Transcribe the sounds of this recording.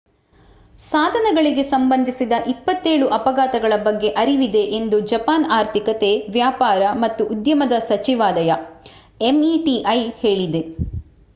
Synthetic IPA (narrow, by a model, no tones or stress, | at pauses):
saːd̪ʱɐnɐɡɐɭiɡe̞sɐmbɐnd̪ʱisid̪ɐʔipːɐt̪ːe̞ːɭuʔɐpɐɡaːt̪ɐɡɐɭɐbɐɡːe̞ʔɐɾiʋid̪e̞ʔend̪ud͡ʒɐpaːnaːɾt̪ʰikɐt̪e̞ʋjaːpaːɾɐmɐt̪ːuʔːd̪jɐmɐd̪ɐsɐt͡ʃiʋaːlɐjɐ | emiʈiʔɐjhe̞ːɭid̪e̞